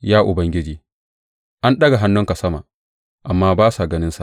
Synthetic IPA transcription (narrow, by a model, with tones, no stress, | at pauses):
jaː˦ʔʊ˨bɐ˦ŋɡʲɪ˦d͡ʒiː˨ | ʔa˦nɗɐ˦ɡa˨ɦa˦nːʊ˦ŋka˨sɐ˦ma̰˨ | ʔa˨mːaː˦baː˦sa˨ɡɐ˦nɪ˦nsa̰˨ʔ